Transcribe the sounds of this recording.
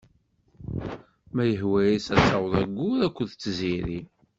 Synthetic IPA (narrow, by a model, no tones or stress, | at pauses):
mæjəɦwæjisæsːɑwðˤæɡːuɾækʷːəðt͡sːziɾi